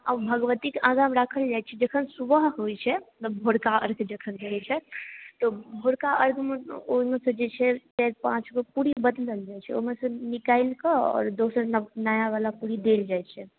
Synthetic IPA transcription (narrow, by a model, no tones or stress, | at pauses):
abʱəɡʋət̪ikãɡamɾakʰəld͡ʒajt͡ʃʰɛd͡ʒəkʰənsubəɦɦojt͡ʃʰɛt̪əbʱoɽkaʔə̰ɾɡʱd͡ʒəkʰənd͡ʒəɾɛt͡ʃʰɛt̪ɔbʱoɽkaʔəɾɡeoɦimesə̃d͡ʒet͡ʃʰɛʈɛɾpãt͡ʃɡopuɾibəd̪ləld͡ʒajt͡ʃʰɛo̰ɦimesə̃nikailkəɔ̰ːɾd̪osəɾnajaʋalapuɾid̪eld͡ʒajt͡ʃʰɛ